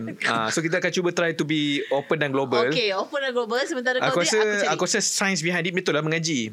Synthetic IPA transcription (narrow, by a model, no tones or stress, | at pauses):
asok̬it̪əakant͡ʃubət̪ɾajt̪ubiopə̃nãnɡlobəlkeopənãnɡlobəlsəmə̃nt̪aɾəakuasəakuasəsajə̃ns̬biɦãndit̪̚mẽt̪oʔlamə̃ŋãd͡ʒi